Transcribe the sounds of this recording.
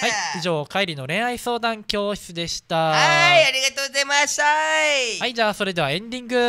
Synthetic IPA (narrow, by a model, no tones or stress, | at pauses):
haiiʑo̞ːkaiɾʲino̞ɾẽ̞ɰ̃aiso̞ːd̪ãŋkʲo̞ːɕi̥t͡sɨd̪e̞ɕi̥t̪aaiaɾʲiɡat̪oːɡzajmaɕt̪ahaid͡ʑaːso̞ɾe̞d̪e̞aẽ̞nd̪ʲĩŋɡɯ̟